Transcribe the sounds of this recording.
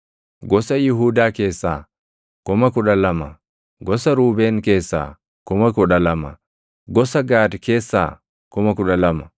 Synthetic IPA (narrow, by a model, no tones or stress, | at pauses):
ɡɔsɐjʊɦuːd̪aːke̞ːsːa̰ː | kʊmɐkʊᶑɐlɐmɐ | ɡɔsɐɾuːbeːŋke̞ːsːa̰ː | kʊmɐkʊᶑɐlɐmɐ̰ | ɡɔsɐɡaːd̪kʰe̞ːsːa̰ː | kʊmɐkʊᶑɐlɐmɐ̥